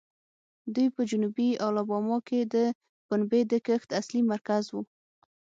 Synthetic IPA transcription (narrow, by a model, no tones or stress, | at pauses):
d̪ujpəd͡ʒʊnubiɑlɑbɑmɑked̪ə | b̥ʊnbed̪əkəxt̪aslimaɾkazwu